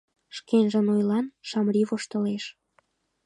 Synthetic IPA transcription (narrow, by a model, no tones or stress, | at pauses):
ʃkenʒənojlɑnʃɑmɾiβoʃt̪ə̆leʃ